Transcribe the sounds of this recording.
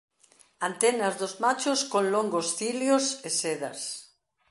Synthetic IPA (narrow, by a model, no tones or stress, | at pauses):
ant̪enazðozmat͡ʃoskõnloŋɡosθiljoseseða̰s